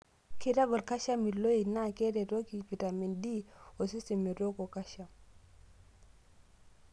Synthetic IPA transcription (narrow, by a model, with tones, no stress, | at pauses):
ki˦ɾa˦bɔ˨ka˦ʃa˦mi˨lo˦i˨na˦˨ke˦ɾe˨ɾo˦ki˨pi˨ta˨mi˨ndi˦o˨si˦ste˨mi˨ɾo˦ko˨ka˦ʃa˨m